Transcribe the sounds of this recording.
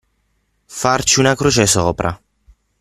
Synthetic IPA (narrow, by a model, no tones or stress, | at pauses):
fart͡ʃiunakɾut͡ʃɛsɔːpɾʔa̰